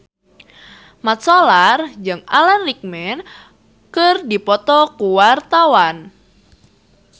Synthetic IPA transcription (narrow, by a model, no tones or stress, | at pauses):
mat̪̚sɔlard͡ʒɨŋalarik̚mɛn | kərdipɔt̪ɔkuwart̪awan